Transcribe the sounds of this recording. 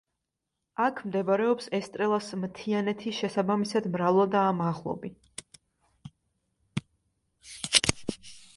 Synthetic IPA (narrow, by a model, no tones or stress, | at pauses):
akʰmd̪ɛbaɾɛɔpsɛst̪ʼɾɛlˠasmt̪ʰianɛt̪ʰiʃɛsabamisad̪mɾavlˠad̪aːmaʁlˠɔ̰bi